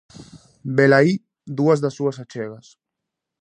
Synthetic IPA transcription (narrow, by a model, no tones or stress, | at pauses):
belai | d̪uazðasuasat͡ʃɛɣas